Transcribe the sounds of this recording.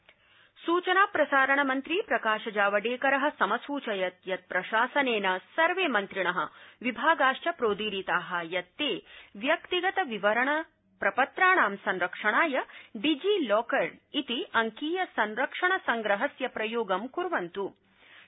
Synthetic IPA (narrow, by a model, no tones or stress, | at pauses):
suːt͡ʃɐnaːpɾɐsaːɾɐɳɐmɐnt̪ɾipɾɐkaːʃɐd͡ʒaːʋɐɖeːkɐɾɐɦɐ̆sɐmɐsuːt͡ʃɐjɐt̪jɐt̪̚pɾɐʃaːsɐneːnɐsɐɾʋeːmɐnt̪ɾiɳɐɦɐ̰̆ʋibʱaːɡaːʂt͡ʃɐpɾoːd̪iːɾit̪aːɦɐjɐt̪ːeːʋjɐkt̪iɡɐt̪ɐʋiʋɐɾɐɳɐ | pɾɐpɐt̪ɾaːɳaːmsɐnɾɐkʂɐɳaːjɐɖid͡ʒilɔːkɐɾit̪iʔɐŋkiːjɐsɐnɾɐkʂɐɳɐsɐŋɡɾɐɦɐsjɐpɾɐjoːɡɐmkuɾʋɐnt̪u